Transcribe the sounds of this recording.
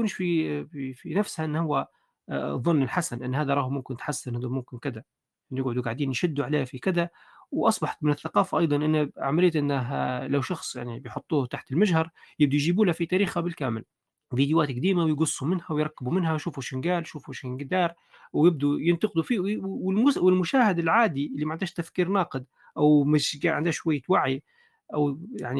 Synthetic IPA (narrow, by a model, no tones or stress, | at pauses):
kuːnʃfififinafshaʔɪnːhʊwːa | ðˤːʊnːɪlħasanʔɪnːhaːðaɾˤɑːħmʊmkɪnt̪ħasːɪnhad̪amʊmkɪnkɪd̪a | ʔɪnːjɪɡʕʊd̪uɡaʕd̪iːnjʃɪd̪ːuʕaleːfikɪd̪a | wʔɑsˤbɑħḁt̪mɪnɪθːaqɑːfaʔɑjd̪ˤɑnʔɪnːaʕamalijːt̪ʔɪnːaɦalawʃɑxsˤja̰ʕnibɪjħʊt̪ˤːuːht̪aħt̪ɪlmaʒhɑɾˤjɪb̚d̪ujʒiːbuːlafit̪aːɾiːxabɪlkaːmɪl | viːd̪jwaːt̪ɡad̪iːmawɪjɡʊsˤːumɪnhawjɾˤɑkːɪbumɪnhajʃuːfuʃɪŋɡaːlʃuːfuʃɪŋɡd̪ɑːɾˤ | wjɪb̚d̪ujɪnt̪ɑqɪd̪ufiːwwɪlmʊwɪlmʊʃaːhɪd̪ɪlʕaːd̪iʔɪlːimaʕɪnd̪aːʃt̪afkiːɾnɑːqɨd̪ | ʔawmɪʃʕɪ̰nd̪aːʃwajːawaʕi | ʔawja̰ʕni